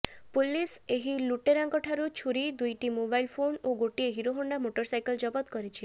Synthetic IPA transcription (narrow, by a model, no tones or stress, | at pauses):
puliseɦiluʈeɾaŋkɔʈʰaɾut͡ʃʰuɾid̪ujʈimobajlpʰonoɡoʈieɦiɾoɦoɳɖamoʈɔɾsajkɔld͡ʒɔbɔt̪kɔɾit͡ʃʰi